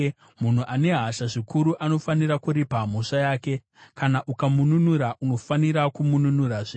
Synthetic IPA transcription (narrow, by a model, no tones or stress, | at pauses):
mun̤uʔane̞ɦaʃaʐikuɾuʔano̞faniɾakuɾipam̤oʂajaːke̞ | kanaʔukamununuɾaʔuno̞faniɾakumununuraʐe